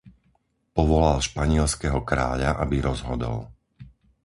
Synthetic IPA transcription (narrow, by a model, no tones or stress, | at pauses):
pɔʋɔlalʃpaɲɪɛlskɛɦɔkɾa̰ːʎaʔabiɾɔzɦɔd̪ɔ̰l